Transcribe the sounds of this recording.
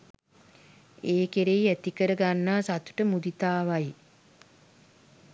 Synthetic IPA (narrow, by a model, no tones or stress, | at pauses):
eːkeɾejæt̪ikəɾəɡanːaːsat̪u̥ʈəmud̪it̪aːʋaj